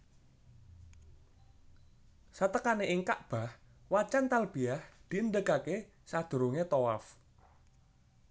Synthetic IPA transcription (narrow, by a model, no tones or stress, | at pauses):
sat̪əkaneʔiŋkaʔb̥a̤h | wat͡ʃant̪alb̥i̤ahd̪̥i̤ənd̪əkake | sad̪̥o̤ɾoŋet̪owaf